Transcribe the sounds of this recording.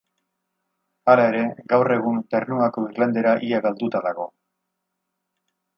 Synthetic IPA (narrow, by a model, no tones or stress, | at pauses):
alae̞ɾe̞ɡawre̞ɣ̞unt̪ernuako̞iɾland̪e̞ɾaʔiaɣald̪ut̪aðaɣ̞o̞